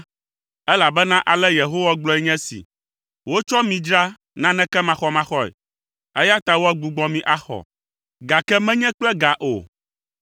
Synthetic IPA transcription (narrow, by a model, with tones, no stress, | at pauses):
ɛ˦la˨bɛ˦nã˦ʔa˨lɛ˦je˨ɦo˦wa˦ɡ͡blɔ˦ɛ˦ɲɛ̃˦sḭ˨ | wo˦t͡ʃɔ˦mĩ˨d͡ʒɾa˦ | nã˦nɛ̃˦kɛ˦mã˨xɔ˨mã˦xɔ˦ɛ̰˨ | ɛ˦ja˦t̪a˨wo˦a˦ɡ͡bu˨ɡ͡bɔ̃˦mĩ˦ʔa˦xɔ̰˨ | ɡa˨kɛ˦mɛ̃˦ɲɛ̃˦k͡plɛ˦ɡa˨ʔo̰˨